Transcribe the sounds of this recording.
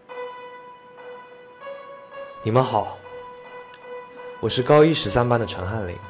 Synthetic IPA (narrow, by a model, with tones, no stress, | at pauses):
ni˨˩mə˦nxɑ˨˩˦ʊ | wɔ˨˩ʂɻ̩˥˩kɑ˥ʊi˥˩ʂɻ̩˧˥sa˥npa˥nd̪ə˨ʈ͡ʂʰɤ˧˥ŋxa˥˩nlḭ˨˩˦